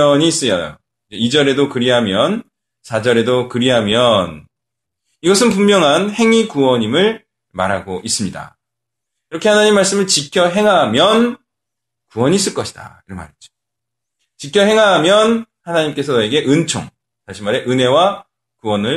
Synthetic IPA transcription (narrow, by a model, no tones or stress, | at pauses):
ʌɲiːs͈ɯjʌjo̰ | id͡ʑeid͡ʑʌɾe̞dokɯɾiɦamjʌn | sʰad͡ʑʌɾe̞dokɯɾiɦamjʌn | iɡʌsʰɯnpumːjʌŋɦanhe̞ŋikuwʌɲimɯɭ | maɾɦaɡoʔis͈ɯmɲida̰ | iɾʌkʰe̞hanaɲimːaɭs͈ɯmɯɭt͡ɕikʰjʌɦe̞ŋɦamjʌn | kuwʌɲiːs͈ɯɭk͈ʌɕʰi̥d̥a̰iɾʌnma̰ɾid͡ʑo̥ | t͡ɕikʰjʌɦe̞ŋɦamjʌn | hanaɲimk͈e̞sʰʌnʌeɡe̞ʔɯnt͡ɕʰo̰ŋ | taɕʰimaɾe̞ʔɯne̞wa | kuwʌnɯɭ